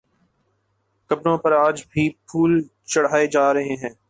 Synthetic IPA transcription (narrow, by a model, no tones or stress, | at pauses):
kɐbɾõpɐɾaːd͡ʒbʱiːpʰuːl | t͡ʃɐɽ̤aːed͡ʒaːɾɐɦẽɦɛ̃ː